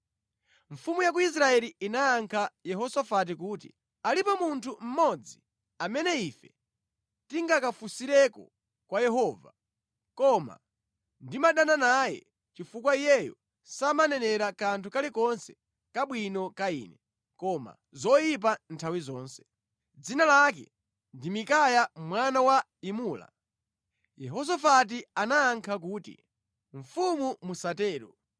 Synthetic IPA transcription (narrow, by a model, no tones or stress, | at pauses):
ɱ̩fumujak̬uis̬ɾaɛliinaːŋkʰajɛɦɔsafat̬ikuːtḭ | alipɔmuntʰum̩mɔd͡zi | amɛnɛifɛ | tiŋɡakafusiɾɛkɔ̰ | kwajɛɦɔːva | kɔma̰ | ndimaɗananajɛ̰ | t͡ʃifukwaijɛjɔ | samanɛnɛɾakantʰukalikɔnsɛ̥ | kaɓwinɔkaḭːnɛ | kɔma̰ | zɔjip̬antʰawizɔːnsɛ̥ | d͡zinalakɛ̰ | ndimikajamwanawa | imuːla̰ | jɛɦɔs̬afat̬ianaːŋkʰak̬uːtḭ | ɱ̩fumumusatɛːɾɔ̰